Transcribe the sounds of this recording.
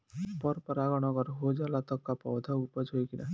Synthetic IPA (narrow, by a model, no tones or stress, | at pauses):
pɔɾpɔɾaɡɔɽ̃ɔɡɔɾɦod͡ʒalat̪ɔkːapɔwd̪ʱaupɔd͡ʒɦojkina